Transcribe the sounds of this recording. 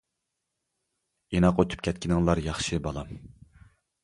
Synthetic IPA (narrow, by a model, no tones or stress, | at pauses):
enɑqøt̪ʰu̥pkʲʰɛt̪̚kʲʰinɪŋlˠɑɾjɑχʃɨbɑlˠɑm